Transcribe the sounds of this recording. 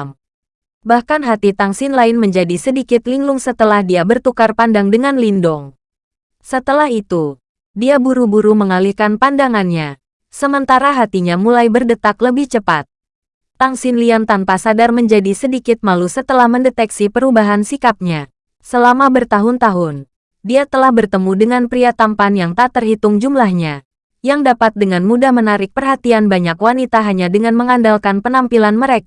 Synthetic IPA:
m | bahkanɦat̪it̪aŋsɪnlaɪnməɲd͡ʒadisədikɪt̪liŋlʊŋsət̪əlahdiabərt̪ukarpandaŋdəŋanlindɔŋ | sət̪əlahit̪u | diabuɾubuɾuməŋalihkanpandaŋanɲa | səmənt̪aɾaɦat̪iɲamulajbərdət̪akləbɪht͡ʃəpat̪̚ | t̪aŋsɪnliant̪anpasadarməɲd͡ʒadisədikɪt̪̚malusət̪əlahməndɛt̪ɛksipəɾubaɦansikap̚ɲa | səlamabərt̪aɦʊnt̪aɦʊn | diat̪əlahbərt̪əmudəŋanpɾiat̪ampanjaŋt̪at̪ərhit̪ʊŋd͡ʒumlahɲa | jaŋdapat̪̚dəŋanmudahmənaɾɪk̚pərɦat̪ianbaɲakwanit̪aɦaɲadəŋanməŋandalkanpənampilanməɾek

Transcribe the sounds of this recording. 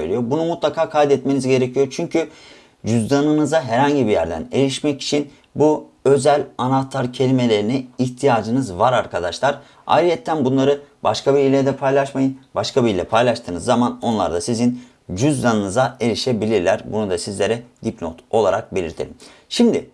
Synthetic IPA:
øjlʲijo̞bunumut̪lˠakʰaːkʰajd̪ɛt̪me̞nizɟe̞ɾecʰijo̞ɾt͡ʃʰyɲcʰy | d͡ʒyzd̪anɯnɯzaɦɛɾhaɲɟibijæɾd̪æ̰ne̞̰liʃmɛci̥t͡ʃʰin | bu | ø̞zælʲanat̪ʰaɾcʰe̞lʲime̞lʲe̞ɾiniiçt̪ʰijaːd͡ʒɯnɯzvaɾaɾkʰad̪aʃlˠaɾ | a̰ɾijɛt̪ʰːænbunlˠaɾɯbaʃkʰabiilʲeɾd̪ɛpʰajlˠaʃmajɯnbaʃkʰabilʲːɛpʰajlˠaʃt̪ʰɯːnɯzːamano̞nlˠa̰ɾd̪asizin | d͡ʒyzd̪anɯnɯzae̞ɾiʃebilʲiɾlʲæɾbṵnud̪asizlʲe̞ɾɛd̪̥iplʲo̰t̪ʰo̞lˠaɾak̚be̞lʲḭɾt̪ʰḛlʲim | ʃimd̪ɪ

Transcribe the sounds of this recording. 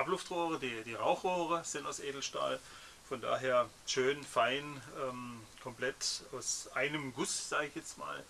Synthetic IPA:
ʔaplʊftʁoːʁədiːd̥iːʁaʊxʁ̥oːʁəz̥ɪntaʊsʔeːdl̩ʃta̰ːl | fɔnda̰ːɦeːɐ | ʃøːnfaɪnʔɛːmkʰɔmplɛtaʊsʔaɪnəmɡʊsz̥aːɡɪçjɛt͡stma̰ːl

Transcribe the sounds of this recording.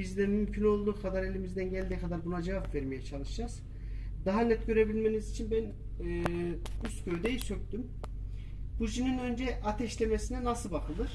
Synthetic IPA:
bizd̪ɛmymcʰyno̞lˠd̪uːkʰad̪aɾe̞lʲimizd̪ænɟælʲd̪iːkʰad̪aɾbunad͡ʒavapvɛɾmejɛt͡ʃʰalˠɯʃd͡ʒaz̥ | d̪̥aɦanɛt̪ɟø̞ɾe̞bilʲme̞nizit͡ʃʰinbænː | yst̪cøjd̪ejisø̞c̚ʲt̪ym | b̥ud͡ʒininø̞nd͡ʒɛʔat̪ʰɛʃlʲemesinɛnasɯbakʰɯlˠɯɾ̥

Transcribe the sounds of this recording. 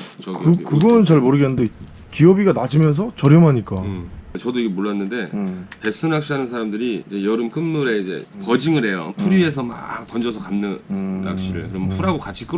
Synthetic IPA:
t͡ɕkɯkɯɡʌnɯnt͡ɕaɭmoɾɯɡenːɯnde | kiʌbiɡanad͡ʑimjʌns̬ʰʌt͡ɕʌɾjʌmɦaɲik͈at͡ɕʌdoiɡemoɭːanːɯnde̞pe̞s͈ɯnak̚ɕ͈iɦanɯns̬ʰaɾamdɯɾiid͡ʑe̞jʌɾɯmkɯnːuɾe̞id͡ʑe̞̰pʌd͡ʑiŋɯɾɦe̞jo̰pʰuɾie̞sʰʌma̰tʌnd͡ʑʌsʰʌkanːɯna̰kɕ͈iɾɯ̰ɭkɯɾʌmpʰuɾɦaɡokat͡ɕʰi̥k͈ɯ

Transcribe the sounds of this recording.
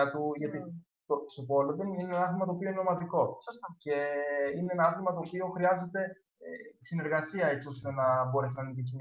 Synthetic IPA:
ɐt̪uʝɐt̪i | t̪ost̪opo̞loðenineenɐθimɐt̪opio̞ineomɐt̪iko̞st̪ce̞ineenɐɐθimɐt̪o̞ːpio̞xɾiɐze̞t̪e̞ | sine̞ɾɣɐsiɐe̞t͡siost̪onɐbo̞ɾe̞sinɐnicisim

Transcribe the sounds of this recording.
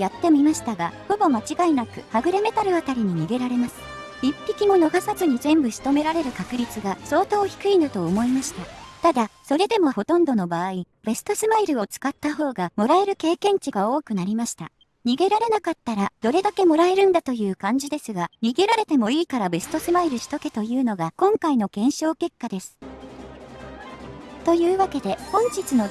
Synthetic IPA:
jat̪ːe̞mʲimaɕi̥t̪aɡaho̞bo̞mat͡ɕiɡainakɯ̟haɡɯ̟ɾeme̞t̪aɾɯ̟at̪aɾʲiɲ̟iɲ̟iɡe̞ɾaɾe̞masɨ̥ | ipʲːikʲimo̞no̞ɡasazɨɲ̟izẽ̞mbɯ̟ɕi̥t̪o̞me̞ɾaɾe̞ɾɯ̟kakɯ̟ɾʲit͡sɨɡaso̞ːt̪o̞ːçi̥kɯ̟inɯt̪o̞ːmo̞imaɕi̥t̪at̪ad̪aso̞ɾe̞d̪e̞mo̞ho̞t̪õ̞nd̪o̞no̞baːi | b̥e̞sɨ̥t̪o̞sɨmaiɾɯ̟o̞t͡sɨ̥kat̪ːaɦo̞ːɡamo̞ɾae̞ɾɯ̟ke̞ːkẽ̞ɲ̟t͡ɕiɡao̞ːkɯ̟naɾʲimaɕi̥t̪a̰ | ɲ̟iɡe̞ɾaɾe̞nakat̪ːaɾad̪̥o̞ɾe̞d̪ake̞mo̞ɾae̞ɾɯ̟̃nd̪at̪o̞jɯ̟ːkãɲ̟d͡ʑid̪e̞sɨɡaɲ̟iɡe̞ɾaɾe̞t̪e̞mo̞iːkaɾabe̞sɨ̥t̪o̞sɨmaiɾɯ̟ɕi̥t̪o̞ke̞t̪o̞jɯ̟ːno̞ɡakõ̞ŋkaino̞ɡẽɰ̃ɕo̞ːke̞kːad̪e̞sɨ̥ | t̪o̞jɯ̟ːβake̞d̪e̞hõ̞ɲ̟d͡ʑit͡sɨno̞

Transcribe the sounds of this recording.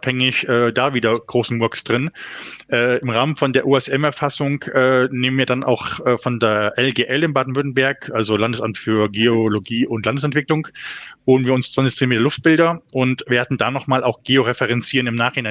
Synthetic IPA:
phɛŋɪçʔɛːd̥aːviːdɐɡ̥ʁoːsn̩mɔɐksd̥ʁɪnʔɛːɪmʁaːmənfɔndeːɐʔuːɛsɛmɛɐfasʊŋʔɛːneːmənviːɐdanʔa̰ʊxʔɛːfɔndeːɐʔɛlɡeːʔɛlɪnbaːdn̩vʏɐtn̩bɛɐkʔalzolandəsamtfyːɐɡeoloɡiːʔʊntlandəs̬ɛntv̥ɪklʊŋvoːənviːɐʊnst͡sv̥ant͡sɪçtt͡seːnmeːtɐlʊft̚b̥ɪldɐʔʊntveːɐdn̩daːnɔχmaːlʔaʊxɡ̥eːoʁɛfɛʁɛnt͡siːʁənɪmnaːχhɪnaɪn

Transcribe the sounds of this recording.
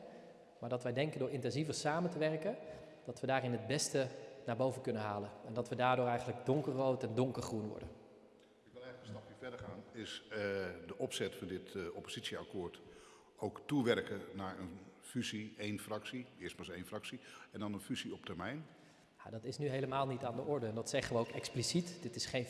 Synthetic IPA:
maːɹdɑtʋɛjdɛŋkəndʊːɹɪntɛnzivəɹsaːməntəʋɛrkən | d̥ɑtʋədaːrɪnɦəd̚bɛstənaːbowvənkɵnənɦaːlənɛndɑtʋədaːɹdʊːɹɛjχənləɡdɔŋkərːowtɛndɔŋkəɹχrunʋɔ̰ɹdə̰n | ɪk̚ʋɪlˠɛjləkənstɑpiːɹvɛdəɹχaːnɪs | dəʔɔpsɛtfɑndɪtɔpoz̥itsiakoːɹt | owktuʋɛrkənaːɹən | fyziejnfrɑksiɪəstmasejnfrɑksiɛndɑnənfyziɔp̚təɹmɛjn | ja̰dɑtɪsnyɦejləmaːlˠnitaːndəʔɔɹdəɛndɑtsɛχənʋəowkɛksplisitdɪtɪsχejn

